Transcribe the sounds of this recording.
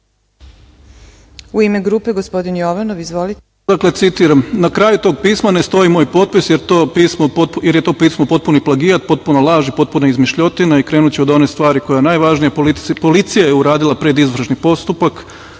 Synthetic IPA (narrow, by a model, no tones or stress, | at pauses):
uimeɡɾuːpeɡospo̞d̪injoʋanoʋizʋoli | d̪akle̞t̪sit̪iːɾamnakɾaːjut̪o̞ːɡpiːsmane̞st̪o̞imo̞ːjpo̞t̪̚pisjeɾt̪oːpiːsmopojeɾjet̪o̞ːpiːsmopo̞t̪̚puniplaɡijat̪̚po̞t̪̚punolˠaːʒipo̞t̪̚punaizmiʃʎo̞t̪inaikɾeːnut͡ɕeod̪o̞nest̪ʋaːɾiko̞janaːjʋaʒnijaolipo̞lit̪sijajeuɾaːd̪ilˠapɾed̪izʋr̩ʃnipo̞st̪upak